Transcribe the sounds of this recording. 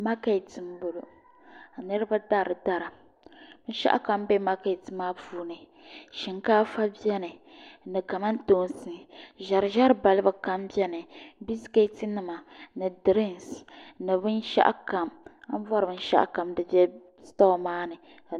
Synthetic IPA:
ma˦ka˦˨tɨ˨m˦bʊ˨lo˨ | a˨nɨ˦ɾɨ˦ba˦da˦˨ɾɨ˨da˦ɾa˨ | bɨ˦n̩˦ʃa̰˦ʔa̰˦ka˨mbɛ˦ma˦ka˨tɨ˨maː˦vuː˦nɨ˨ | ʃi˨ŋkaː˦fa˦bi˦ɛ˦nɨ˨nɨ˨ka˨ma˦n˦toː˦n˦sɨ˨ʒa˨ɾʒa˦ɾba˨lɨ˦ba˨ka˦mbi˦ɛ˦nɨ˨bi˦ske˦tɨ˦nɨ˨ma˨nɨ˨dɨ˨ɾi˦nsnɨ˨bɨ˦n˦ʃa̰˦ʔa̰˦ka˨ma˦vɔ˦ɾɨ˨bɨ˦n˦ʃa̰˦ʔa̰˦ka˨mdɨ˨˦bɛ˦ | stɔ˦˨maː˦nɨ˨

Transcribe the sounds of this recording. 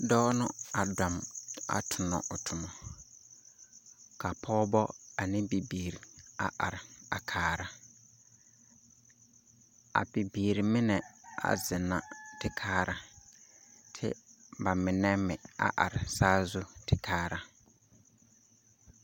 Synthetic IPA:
dɔː˦nʊ˦a˨dɔ˨ma̰˨tʰʊ˨nɔ̰˨ʔʊ˨tʰʊ˨mɔ˨ | ka˨pʰɔː˦bɔ˦a˨nɪ˦bi˨biː˨ɾi˨a̰˨ʔa̰˨ɾɪ˨a˨kʰaː˨˦ɾa˦ | a̰˨bi˨biː˨ɾi˨mɪ˦nɛ˨a̰˨zɪ˨na˨tɪ˦kʰaː˦ɾa˨ | tʰɪ̰˦ba˨mɪ˨nɛ˦mɪ˨a̰˨ʔa̰˨ɾɪ˨saː˦zu˦tɪ˨kʰaː˦ɾa˦

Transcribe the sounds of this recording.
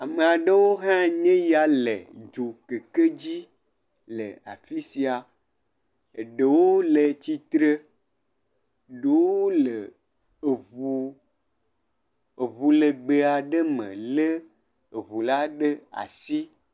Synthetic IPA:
a˨me˨a˨ɖe˦wo˦ɦã˦ɲẽ˦ja˨lḛ˨d͡ʒu˨ke˨ke˦d͡ʑi˦ | lḛ˨a̰˨fi˦si˨a˨ | e˨ɖe˨wo˦le˨t͡ɕi˦t̪ɾe˦˨ | ɖe˨woo˦le˨ | βu˨ | e˨βu˨le˨ɡ͡be˨a˨ɖe˦mḛ̃˨le˦ | e˨βu˨la˦ɖe˦a̰˨si˦

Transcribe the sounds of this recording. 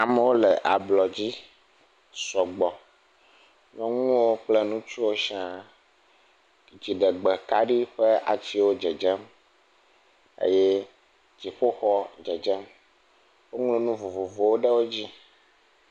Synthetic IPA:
a˨mɛ̃˨wo˦lɛ˨ʔa˨blɔ˨d͡ʑi˦ | sɔ˨ɡ͡bɔ˨ | nɔ̃˨ŋũ˦wo˦k͡ple˦nũ˦t͡ʃu˦wo˦ʃi˦ã˦ | d͡ʑi˨ɖɛ˨ɡ͡bɛ˨ka˦ɖi˦ɸɛ˦a̰˨t͡ɕi˦wo˦d͡ʒɛ˨d͡ʒɛ˦m | ḛ˦je˦ | d͡ʑi˨ɸo˦xɔ˦d͡ʒɛ˨d͡ʒɛ˦m | wo˦ŋlõ˦nũ˦vu˨vu˨vo˨wo˦ɖə˦wo˦d͡ʑi˦

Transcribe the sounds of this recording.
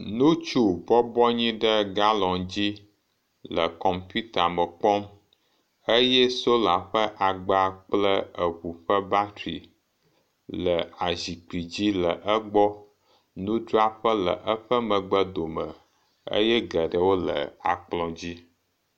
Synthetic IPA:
nũ˦t͡ʃu˦bɔ˦bɔ˦ɲĩ˦ɖə˦ɡa˦lɔ̃˨ŋd͡ʑi˦ | lə˨kɔ˨mpu˦t̪a˨mə˨k͡pɔ˦m | ə˦jɛ˦so˦la˨ɸə˦ʔa˨ɡ͡ba˦k͡plə˦ə˨βu˨ɸə˦ba˦t̪ɾi˨ | lə˨a˨zi˨k͡pi˨d͡ʑi˦lə˨ʔə˦ɡ͡bɔ˦ | nũ˦ɖɾa˦ɸə˦lə̰˨ʔə˦ɸə˦mə̃˨ɡ͡bə˦d̪o˨mə˨ | ə̰˦jɛ˦ɡə˨ɖə˨wo˦lə̰˨a˨k͡plɔ̃˨d͡ʑi˦

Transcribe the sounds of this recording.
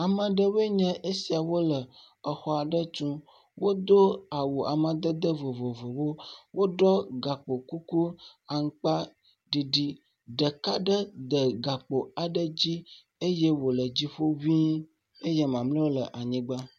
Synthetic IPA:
a˨mə̃˨ɖə˦we˦ɲə̃˦ʔe˦si˨a˨wo˦lə˨ | ə˨xɔ˨a˨ɖə˦t͡ʃũ˦ | wo˦d̪o˦a˨wo˨a̰˨mə̃˨d̪ə˦d̪ə˦vo˨vo˨vo˨wo˦wo˦ɖɔ˦ɡa˨k͡po˨ku˦ku˦a˨ŋ̩˦k͡pa˦ | ɖi˨ɖi˦ | ɖə˨ka˦ɖə˦d̪ə˨ɡa˨k͡po˨a˨ɖə˦d͡ʑi˦ | e˦je˦wo˨lə˨d͡ʑi˦ɸo˦vi˦ | e˦jɛ˦mã˨mlə̃˦wo˦lə˨ʔa˨ɲĩ˦ɡ͡ba˦

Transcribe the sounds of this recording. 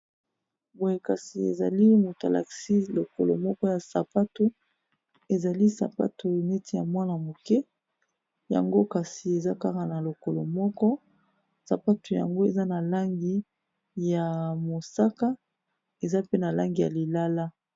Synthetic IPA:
bo˨je˨ka˨si˨ḛ˨za˨li˦mo˨ta˨la̰˨ksi˦lo˨ko̰˨lo˨mɔ˦kɔ˦ja˨sa˨pa˦tu˦ | e˨za˨li˦sa̰˨pa̰˦tu˨ne˦ti˦ja̰˨mwa˦na˨mo˨kɛ˦ | ja̰˨ŋɡo˦ka˨si˨e˨za˦ka˦ka˨na˨lo˨ko˨lo˨mɔ˦kɔ˦ | sa˨pa˦tu˨ja̰˨ŋɡo˦e˨za˦na˨la˦ŋɡi˦ | ja˨mo˨sa˦ka˦ | e˨za˦pe˦na˨la˦ŋɡi˨ja̰˨li˨la˦la˦

